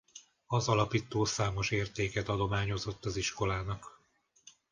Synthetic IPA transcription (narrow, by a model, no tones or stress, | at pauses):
ɒzɒlɒpiːt̪oːsaːmo̞ʃeːrt̪eːkɛt̪ɒd̪o̞maːɲo̞zo̞t̪ːɒziʃko̞laːnɒk